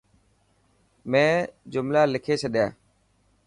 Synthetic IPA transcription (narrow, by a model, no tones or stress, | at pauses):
mẽːd͡ʒʊmlaːlɪkʰeːt͡ʃʰəɗjaː